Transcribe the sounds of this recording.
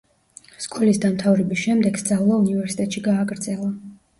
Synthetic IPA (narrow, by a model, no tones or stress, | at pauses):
skʼulisd̪amt̪ʰavɾɛbisʃɛmd̪ɛɡ̥sd̪zʼavlˠaunivɛɾsi̥t̪ʼɛt̪ʃiɡaːɡɾd̪zɛlˠa